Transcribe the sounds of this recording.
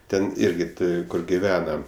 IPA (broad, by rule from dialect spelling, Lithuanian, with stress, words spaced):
ˈtʲɛn ˈɪrʲɡʲɪ ˈtʲɪ ˈkʊr ɡʲɪˈʋʲæːnɐ